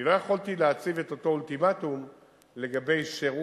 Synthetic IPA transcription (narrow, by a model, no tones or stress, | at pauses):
ilo̞jaχoltileat͡sive̞t̪o̞to̞ultimatum | le̞ɡabe̞jʃeʁu